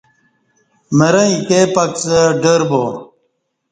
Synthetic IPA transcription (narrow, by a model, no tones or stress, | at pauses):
mɐɾɐ̃ik̪epɐksɐɖɐɾbo